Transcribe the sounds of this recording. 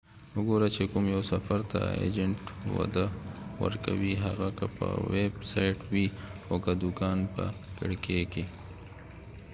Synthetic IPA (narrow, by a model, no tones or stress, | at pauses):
ʊɡoɾat͡ʃekʊmjawsafaɾt̪a̰ḛd͡ʒəɳʈwa̰d̪awə̰ɾka̰wiɦaɣakapəwebsajʈwiokad̪ukɑːnpəkɪɽkeke